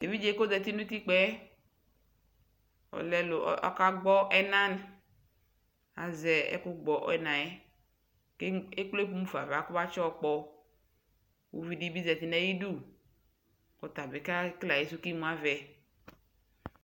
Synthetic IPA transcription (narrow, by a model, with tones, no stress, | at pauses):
d̥e˨vi˦d͡ʒe˦ko˦dɛ˨t̪i˦nũ˦t̪i˦k͡pɛ˦ | ɔ̰˨lɛ˦lʊ̰˨˦ʔɔ̰˦ka˦ɡ͡bɔ˦ʔɛ˦nã˦n˨ | a̰˨zɛ˨ɛ̰˦kʊ˦ɡ͡bɔ˨ʔnã˨ɛ˦ | ke˦e˦k͡ple˦pu˦mũ˦fa̰˨va˨˦kʊ˦ba˦t͡ʃɔ˦˨k͡pɔ˦ | wṵ˦vi˨di˦bi˦zɛ˨t̪i˨nɛ˦ji˦du˦˨ | kɔ˨t̪a˨be˨ka˦kla˨je˨˦s̬u˦ki˦mũ˨˦a˦vɛ˨